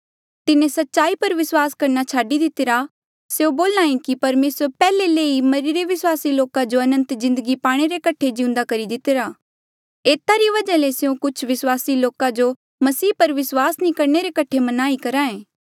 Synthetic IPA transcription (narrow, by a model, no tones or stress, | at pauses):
t̪ɪnẽsɐtːʃaːipɐɾʋɪswaːskɐɾnat͡ʃʰaːɖid̪ɪt̪ɪɾa | seõboːlnãːĩkipɐɾmeːsəɾpɛːleleːimɐɾiɾeʋɪswaːsiloːkad͡ʒoɐnə̃nt̪zɪ̃nd̪əɡipaːɽ̃eɾekɐʈʰed͡ʒɪ̃ũnd̪akɐɾid̪ɪt̪eɾaː | eːt̪aɾiʋɐd͡ʒaleseũkʊt͡ʃʰʋɪswaːsiloːkad͡ʒo | mɐsiːpɐɾʋɪswaːsnĩkɐɾneɾekɐʈʰemɐnaːikɐɾaːẽː